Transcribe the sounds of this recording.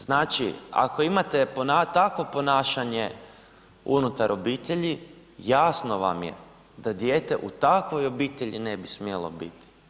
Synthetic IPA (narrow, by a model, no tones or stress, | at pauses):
znaːt͡ʃḭa̰ko̞imat̪e̞ponat̪akʋo̞po̞naːʃaɲe̞ | unut̪aɾʔo̞biːt̪eʎi | jaːsno̞ʋa̰mjḛ | d̪ad̪je̞ːt̪e̞̰ʔut̪akʋo̞jo̞biːt̪eʎinebismjelo̞̰bḭt̪i̥